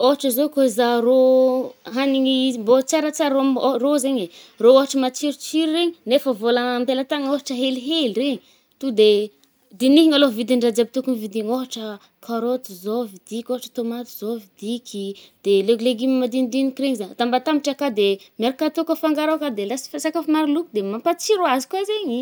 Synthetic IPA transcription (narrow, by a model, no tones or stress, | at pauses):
oɦaʈ͡ʂəzokoizaro | ɦaniŋimbot͡saɾat͡saɾomorozeɲerooɦaʈ͡ʂəmat͡siɾit͡siɾireɲinefəvolampelat̪aŋoɦaʈ͡ʂəɦeliɦelireɲi | t̪ud̪e | d̪iniɦiŋalovid̪iɳɖ͡ʐad͡zabit̪ukunivid̪iŋoɦaʈ͡ʂə | kʰaɾot̪izovid̪̥ikʲoɦaʈ͡ʂə̥t̪omat̪i̥z̥ovid̪ikʲʰi | d̪̥eleɡleɡimimad̪ind̪inikireɲizaɲt̪ambat̪amiʈ͡ʂakad̪emeɾikat̪ukəfaŋɡaɾakad̪elasi̥fasakafimaɾilukud̪emampat͡siɾoazi̥kazeɲi